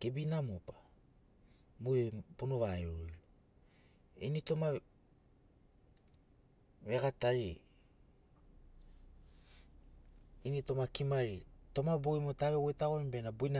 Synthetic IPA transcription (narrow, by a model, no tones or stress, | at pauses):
kebinamopḁ | mupunoβaeɾujlo | ḛnito̞ma | βekataɾi | inito̞makimaɾito̞mabojmotaβewojtaɣonbe̞nabujna